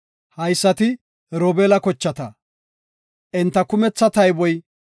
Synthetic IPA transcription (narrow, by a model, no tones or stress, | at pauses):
hɐjsːɐt̪ɪ | ɾoːbeːlɐkɔt͡ʃːɐt̪ɐ | ʔɪnt̪ːɐkʊmɛt͡sːɐt̪ɐjbɔj